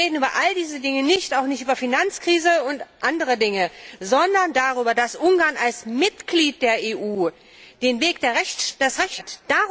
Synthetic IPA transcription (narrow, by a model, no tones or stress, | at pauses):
eːdn̩yːbɐʔaldiːzədɪŋənɪçtaʊxnɪçtyːbɐfinant͡skʁ̥iːzəʊntʔandəʁədɪŋəzɔndɐndaʁyːbɐdasʔʊŋɡaːɐnalsmɪtɡ̥liːt̚d̥eːɐeːʔuː | d̥eːnveːkd̥eːɐɛd̥asʁɛçtd̥a